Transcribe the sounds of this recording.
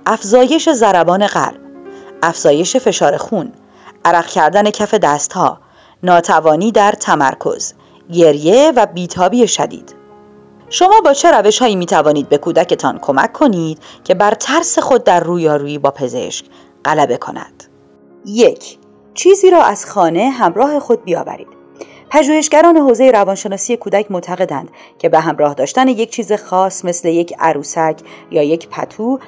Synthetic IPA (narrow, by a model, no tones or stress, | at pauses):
ʔæfzɒːje̞ʃe̞zæɾæbɒːne̞ɢæ̰lb̥ʔæfz̥ɒːje̞ʃe̞fe̞ʃɒːɾe̞xuːn | ʔæɾæɣcʰæɾd̪æne̞cʰæfe̞d̪æst̪hɒ̰ː | nɒːt̪ʰævɒːniːd̪æɾt̪ʰæmæ̰ɾkʰo̞̰z̥ | ɟe̞ɾje̞væbiːt̪ʰɒːbiːeʃæd̪ḭːd̪̥ | ʃo̞mɒːbɒːt͡ʃʰe̞ɾæve̞ʃhɒːiːmiːt̪ʰævɒːniːd̪̚be̞kʰuːd̪æce̞t̪ʰɒːnkʰo̞mæ̰kʰːo̞niːd̪̥cʰe̞bæɾt̪ʰæɾse̞xo̞d̪̚ːæɾːuːjɒːɾuːjiːbɒːpʰe̞ze̞̰ʃc | ɢælæbe̞kʰo̞̰næ̰d̪̥ | jecʰ | t͡ʃʰiːziːɾɒːʔæz̥xɒːne̞ɦæmɾɒːɦe̞xo̞d̪̚bijɒ̰ːvæ̰ɾḭːd̪̥ | pʰæʒuːhe̞ʃɟæɾɒːne̞ɦoːzejeɾævɒːnʃe̞nɒːsije̞kʰuːd̪æcʰmot̪ʰæɣe̞d̪ænd̪̥ | cʰe̞beɦæmɾɒːhd̪ɒːʃt̪æne̞jec̚t͡ʃʰiːze̞xɒːsme̞sle̞je̞cʰæ̰ɾuːsæcʰjɒːje̞cʰpʰæ̰t̪ʰuː